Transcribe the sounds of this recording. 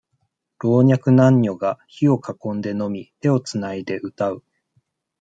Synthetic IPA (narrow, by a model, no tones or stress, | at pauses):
ɾo̞ːɲ̟akɯ̟nãɲ̟ːo̞ɡaçio̞kakõ̞nd̪e̞no̞mʲit̪e̞o̞t͡sɨnaid̪e̞ʔɯ̟t̪aɯ̟